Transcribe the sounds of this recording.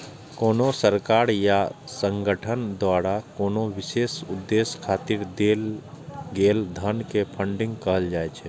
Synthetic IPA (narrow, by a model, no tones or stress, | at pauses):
koːnosəɾkaːɾjasə̃ŋɡəʈʰənd̪waɾakoːnoʋɪseːsʊd̪ːeskʰaːt̪iɾd̪el | ɡeːld̪ʱənkepʰəɳɖɪ̃ŋɡkəɦəld͡ʒaːɛt͡ʃʰɛ